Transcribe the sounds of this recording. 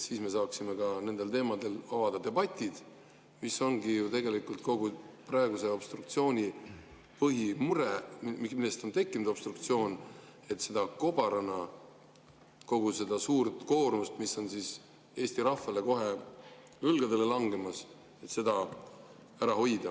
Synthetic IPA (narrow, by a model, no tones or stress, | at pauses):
siːsme̞sɑːksime̞kɑne̞nd̪̥e̞lt̪e̞ːmɑd̪e̞lɑvɑd̪ɑd̪e̞bɑt̪ʲːˑid̪̥ | miso̞ŋɡijut̪e̞ɡe̞likult̪ko̞ɡuprɑeɡuse̞o̞b̥st̪ruk̚t̪sio̞ːnʲi | pɤɦimuɾe̞mimilːest̪o̞nt̪e̞kˑːinmud̪o̞b̥st̪ruk̚t̪sio̞ːn | e̞t̪ːse̞d̪̥ɑko̞b̥ɑɾɑnɑ | ko̞ɡ̥use̞d̪ɑsuːrt̪ˑko̞ːrmust̪miso̞nsis | e̞ːst̪iɾɑfɑle̞ko̞ɦe̞ | lɤlɡɑd̪e̞le̞lɑŋɡe̞mɑs | e̞t̪se̞d̪ɑ | æɾɑɦo̞jd̪̥ɑ